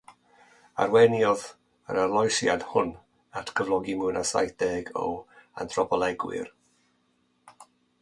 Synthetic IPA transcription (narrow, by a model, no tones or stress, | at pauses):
a̰rwɛnjɔð | ə̰ɾarlˠɔjsjad̥hʊn | atʰkʰəvlˠɔɡimɨnasa̰jθd̥ɛːɡɔ̰a̰ntʰrɔpʰɔlˠɛɡwɪ̰r